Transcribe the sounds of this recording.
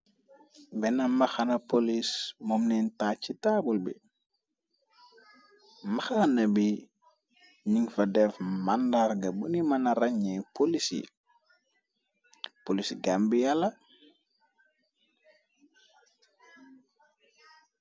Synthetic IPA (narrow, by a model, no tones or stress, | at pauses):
bɛnamaxanɐpolismomnɛntat͡ʃːitabulbḭ | maxanɐbi | ɲiŋfɐdɛfmandaɾɡɐbunimɐnaɾɐɲɛpolisḭ | polisɡambijalɐ